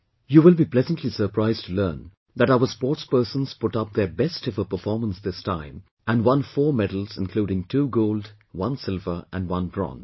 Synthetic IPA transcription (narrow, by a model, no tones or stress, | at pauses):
juːwɪlˠbiːpʰl̥ɛzə̃ntʰlisə˞pʰɹ̥aɪztʰulɜ̃ːn | ðæɾaʊə˞spɔːʈspɜ˞sə̃nz̥pʊʈʌp̚ðəbɛstʰɪvə˞pə˞fɔɹmə̃nsðɪstʰãɪ̃m | æ̃nwʌ̃nfɔːɹmɛɾl̩ˠz̥ɪ̃nkʰl̥uːɾɪ̃ŋtʰuːɡoʊld | wʌ̃nsɪlvə˞ʔæ̃nwʌ̃nbɹɔ̰̃n